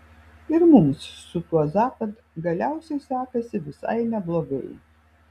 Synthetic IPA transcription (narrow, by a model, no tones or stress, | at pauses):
ɪɾmʊmsːʊt̪uɔzɑːpɐt̪ | ɡɐlʲæʊsʲɛjsɑːkɐsʲɪʋʲɪsa̰ɪnʲɛblˠoɡɐ̰ɪ